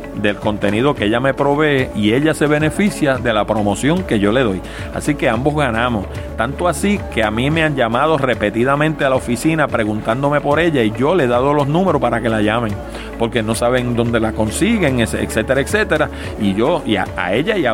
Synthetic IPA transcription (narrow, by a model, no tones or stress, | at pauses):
d̪e̞lko̞nt̪e̞niðo̞keeʎame̞pɾo̞βe̞ːʔie̞ʎase̞β̞e̞ne̞fisjaðelapɾo̞mo̞sjo̞ŋke̞ʝo̞le̞ð̞o̞j | a̰sike̞ambo̞zɣanãmo̞s | t̪ant̪oasike̞amime̞aɲɟamað̞o̞re̞pe̞t̪iðamẽnt̪ealaofisinapɾe̞ɣunt̪and̪o̞me̞po̞ɾe̞ʎaiʝo̞le̞ðaðo̞lo̞snũme̞ɾopaɾake̞laʝamẽ̞ŋ | po̞ɾke̞no̞saβe̞ŋd̪o̞nd̪e̞lako̞nsiɣe̞ŋesḛkse̞t̪e̞ɾaekse̞t̪e̞ɾa | iʝo̞ia̰a̰e̞ʎaia